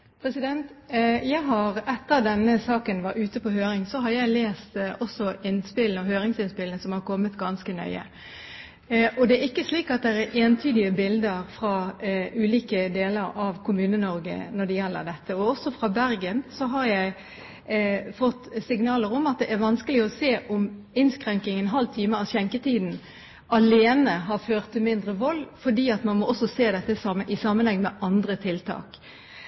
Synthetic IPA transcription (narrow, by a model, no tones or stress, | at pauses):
pʰɾɛsɪd̪ɛnt̪jæɪɦɑɾɛt̪ːəɾd̪ɛnːəsɑːkənʋɑɾʉːt̪əpɔhøːɾɪŋsɔɦɑɾjæɪleːst̪ɔsːɔɪnspɪlnɔɦøːɾɪŋsɪnspɪlnəsɔmhɑɾkʰɔmːət̪ɡɑnskənœ̰ʏə̰ | ʔɔd̪ɛæɾɪkːəsliːkɑt̪̚d̪ɛɾæɾeːnt̪ʰyːd̪ɪəbɪld̪əɾfɾɑːʉːliːkəd̪eːləɾɑʋkʰʊmʉːnənɔɾɡə̰nɔɖɛjɛlːə̰ɾd̪ɛt̪ːəɔɔsːɔfʁɑbæɾɡənsɔɦɑɾjæɪ | fɔt̪ːsɪŋnɑːləɾɔmɑt̪̚d̪ɛʔæɾʋɑnskəlɪɔseːʔɔm | ɪnskɾɛŋkɪŋɛnɦɑlt̪ʰiːməɑɕɛŋkət̪ʰiːd̪n̩ | ɑleːnəɦɑɾføːʁt̪ʰːɪlmɪnd̪ʁəʋɔlːfɔɖiːɑt̪mɑnmɔʔɔsːɔseːd̪ɛt̪ːəsɑmɪsɑmːənhɛŋːmɛʔɑnd̪ɾət̪ʰɪlt̪ʰɑ̰ːk